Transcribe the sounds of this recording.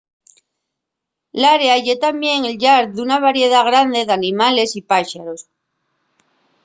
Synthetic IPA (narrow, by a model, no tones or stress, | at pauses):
laɾeaʝet̪ambje̞ŋelʎaɾðunaβ̞aɾje̞ð̞aɣ̞ɾand̪e̞ðanĩmale̞sipaʃaɾos